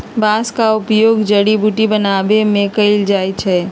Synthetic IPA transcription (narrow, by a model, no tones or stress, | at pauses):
bãːskaʊpjoːɡd͡ʒəɽibuʈibənaːbemẽkəɪld͡ʒaːjt͡ʃʰɛ